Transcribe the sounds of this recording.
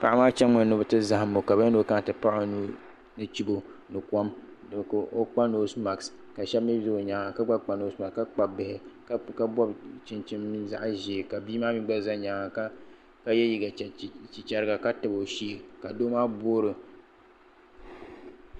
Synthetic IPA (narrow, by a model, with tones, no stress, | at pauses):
pa˦ʔa˦maː˦t͡ʃɛ˦ɨ˨˦nɨ˦bɨ˦tɨ˦za˨ha˨mːo˨ka˨bɛ˦no˦ka˦n˨tɨ˨pa˦ʔa˨nu˦ | nɨ˦t͡ʃi˦bo˦nɨ˨ka˦m | dɨ˨ko˦k͡pa˦no˦sma˨ks | ka˨ʃɛ˦bmi˦zo˦o˨ɲaː˨ŋa˨ka˦ɡ͡ba˦k͡pa˨no˦sma˨ka˦k͡pa˨bɪ˨hɪ˨˦ | ka˦bɔ˦bt͡ʃɪ˨nt͡ʃɪ˦mːi˦za̰˦ʔʒi˨e˨ka˨biː˦maː˦mi˦ɡ͡ba˦za˦ɲaː˨ŋa˨ka˦ | ka˦jɛ˦ji˨ɡa˨t͡ʃi˨t͡ʃa˦ɾɨ˦ɡa˨ka˦tɨ˨bo˨ʃi˦e˨ka˨doː˦maː˦boː˦ɾɨ˨